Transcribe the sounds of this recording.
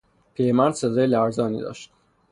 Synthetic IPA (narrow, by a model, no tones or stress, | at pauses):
pʰiɾemænd̪sed̪ɒːjelæɾzɒːnḭːd̪ɒ̰ːʃt̪